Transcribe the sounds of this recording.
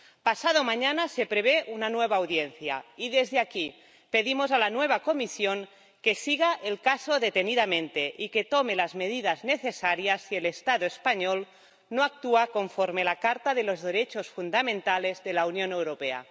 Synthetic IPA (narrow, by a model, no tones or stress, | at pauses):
pasað̞omaɲanasepɾeβeʔunanweβ̞aːwðjenθja̰iðezðeaki | pe̞ðimozalanweβ̞akomisjoŋ | kesiɣaʔelkasoðet̪eniðamẽnt̪eʔiket̪omelazmeðið̞azneθesaɾjasːielest̪aðoespaɲol | noak̚t̪uakoɱfoɾmelakaɾt̪aðelozðeɾet͡ʃosfund̪amẽnt̪alezðelaunjonewɾopea̰